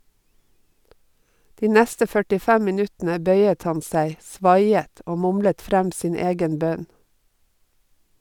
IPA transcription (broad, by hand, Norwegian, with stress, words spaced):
ˈdiː ˈnæstə fœʈɪˈfæm mɪˈnʉtn̩ə ˈbœʏət ˈhɑn ˈsæɪ ˈsʋɑɪət ˈoː ˈmʊmlət ˈfɾæm ˈsiːn ˈeːɡən ˈbœn